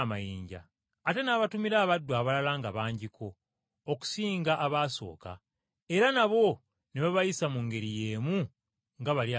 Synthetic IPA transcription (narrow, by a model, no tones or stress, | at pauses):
majiːɲɟa̰ː | te̞naːβatumiɾaːβadːwaːβalalaːŋɡaβaːɲɟikʰo̞ː | ku̥siːŋɡaʔːβaːso̞̰ːka̰ | e̞ɾanaβo̞ | neβaβajisamuŋɡe̞ɾije̞ːmu | ŋɡaβalja